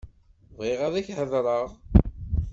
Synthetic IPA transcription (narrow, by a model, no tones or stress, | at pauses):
vʁiʁaðæçhəðɾˤəʁ